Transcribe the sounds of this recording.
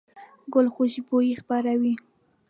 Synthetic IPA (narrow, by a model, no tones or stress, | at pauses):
ɡʊlxʊʃibojexpaɾawi